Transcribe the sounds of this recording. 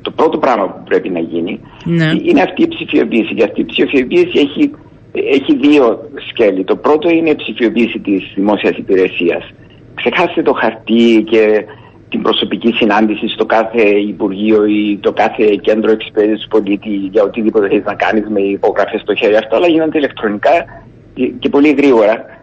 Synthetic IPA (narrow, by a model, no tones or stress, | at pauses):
t̪o̞pɾo̞t̪o̞pɾɐmɐpupɾe̞pinɐʝini | nineɐft̪iːpsifio̞̰piːsiceɐft̪iːpsiofio̞piisieçi | eçiðio̞sce̞lit̪o̞pɾo̞t̪o̞ine̞ipsifio̞piːsit̪izðimo̞siɐsipiɾe̞siɐ̰s | kse̞xɐst̪et̪o̞xɐɾt̪ice̞ | t̪imbɾo̞so̞picisinɐnd̪isist̪o̞kɐθe̞ipuɾʝio̞it̪o̞kɐθe̞ce̞nd̪ɾoekspeðisispo̞lit̪iʝɐo̞t̪iðipot̪eçeiznɐkɐ̰nizme̞ipo̞ɣɾɐfest̪o̞çe̞ɾiɐft̪oɐlɐʝinond̪eile̞kt̪ɾo̞nikɐ | ce̞po̞liɣɾiɣo̞ɾɐ